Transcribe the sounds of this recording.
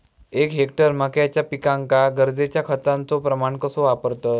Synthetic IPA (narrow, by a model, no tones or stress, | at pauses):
ekɦek̚ʈəɾməkjat͡ɕjapikãŋkaɡəɾd͡zet͡ɕjakʰət̪ãnt͡sopɾəmaɳkəsoʋapəɾt̪ə